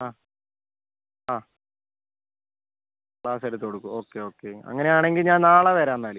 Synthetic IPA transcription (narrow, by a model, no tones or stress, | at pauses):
aː | aː | kɭaːsɐɾɐt̪ːkoɽukːuo̞ːkːe̞o̞ːkːe̞ɐ̰ŋːɐne̞jaːɳe̞ŋɡilɲaːnnaːɭɐʋeɾaːnːaːɭi